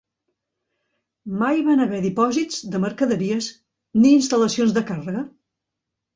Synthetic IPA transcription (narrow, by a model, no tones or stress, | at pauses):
majβanəβɛðipɔzizd̪əməɾkəðəɾiəs | niːnst̪ələsionzðəkarəɣə